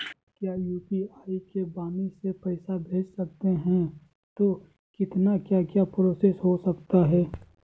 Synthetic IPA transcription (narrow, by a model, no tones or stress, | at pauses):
kjaːjuːpiaːikebaːmisepɛɪsabʱeːd͡ʒsɐk̚t̪eɦɛ̃ | t̪o | kɪt̪nakjaːkjapɾoːsesɦosɐkt̪aɦɛː